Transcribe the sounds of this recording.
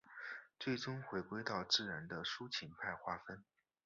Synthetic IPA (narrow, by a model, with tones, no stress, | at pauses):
t͡swe˥˩ɪʈ͡ʂʊ˥ŋxwe˧˥ɪkwe˥ɪt̪ɑ˥˧ʊt͡sɹ̩˥˩ɻa˧˥nd̪ə˧ʂu˥t͡ɕʰi˧˥npʰa˥˧ɪxwa˥˩fə˥n